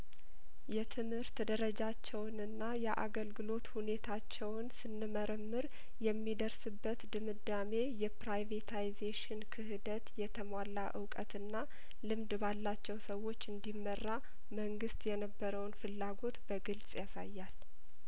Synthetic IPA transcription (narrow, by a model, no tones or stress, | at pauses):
jɛt̪ʰɨmhɨɾt̪d̪əɾəd͡ʒat͡ʃːɛwnɨnːajɛʔa̰ɡəlɡɨlo̞t̪hune̞t̪ʰat͡ʃːɛwnsɨnːɨməɾəmːɨɾ | jɛmːid̪əɾsɨbːət̪d̪ɨmɨd̪ːame̞jɛpɾajvet̪ʰajzeʃɪnkʰɨhɨd̪ət̪jɛt̪ʰəmalːaʔɨ̰wkʼə̰t̪ɨnːa | lɨmd̪balːat͡ʃːɛwsəwo̞t͡ʃːɨnd̪imːərːa | məŋɡɨst̪jɛnəbːəɾəwnfɨlːaɡo̞t̪b̥əɡɨlsʼjasa̰jːal